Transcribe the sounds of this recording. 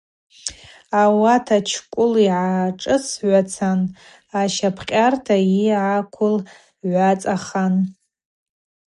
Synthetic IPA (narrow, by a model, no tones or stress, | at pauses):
awatʰat͡ʃʰkʷʼʊliʕaʈ͡ʂʼɨsʕʷat͡sʰan | aʃapʰqʲʼartʰaiʕakʷʰʊl | ʕʷat͡sʼaχan